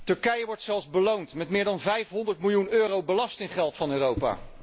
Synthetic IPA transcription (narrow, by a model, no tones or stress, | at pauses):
tɵɹkɛjəʋɔɹtsɛlˠzbəlowntmɛtmɪːɹdɑnvɛjfɦɔndəɹtmɪlˠjunøːrowbəlɑstɪŋχɛlˠtfɑnøːrowpa̰ː